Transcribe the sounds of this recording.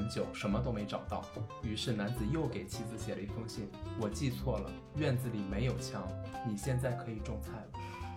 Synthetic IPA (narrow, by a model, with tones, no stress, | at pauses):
nt͡ɕjo˨˩˦ʊʂə˧˥nmə˧t̪o˥ʊme˧˥ɪʈ͡ʂɑ˨˩ʊt̪ɑ˥˩ʊy˧˥ʂɻ̩˥˩na˧˥nt͡sɹ̩˨˩jo˥˩ʊke˨˩ɪt͡ɕʰi˥d͡zɹ̩˧˩ɕjɛ˨˩lə˦i˧˥˩fʊ˥ŋɕɛ˥˩nwɔ˨˩t͡ɕi˥˧t͡sʰwɔ˥˩lə̰˩ | ɥɛ˥˧nt͡sɹ̩˧˩li˨˩me˧˥ɪjo˨˩ʊt͡ɕʰjɑ˧˥ŋni˨˩ɕjɛ˥˧nt͡sa˥˩ɪkʰɤ˧˥i˨˩ʈ͡ʂʊ˥˧ŋt͡sʰa˥˩ɪlə˩